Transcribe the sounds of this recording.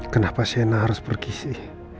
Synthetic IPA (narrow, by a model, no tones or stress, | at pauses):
kənapasenaɦaɾʊspərkisih